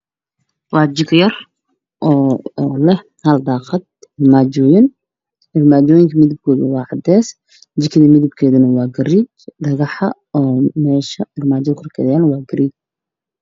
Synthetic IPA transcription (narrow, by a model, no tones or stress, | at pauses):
wɑːd͡ʒɪkʰjɐr | ʔɔːlɛh | hɐld̪ɑːqɐd̪̚hɪrmaːd͡ʒɔːjɪn | ʔɪrmaːd͡ʒɔːjɪŋkʰɐmɪðɪb̚kʰɔːðɐwɑːʕɑd̪ɛːs | d͡ʒɪkʰɐðɐmɪðɪb̚kʰɛːðɐnɐwɑːɡɐɾiːt͡ʃɖɐɣɑħɐ | ɔːmɛːʃɐɪrmaːd͡ʒɐqʊrkʰɛ̰ðaːnwɑːɡɐɾiːt͡ʃ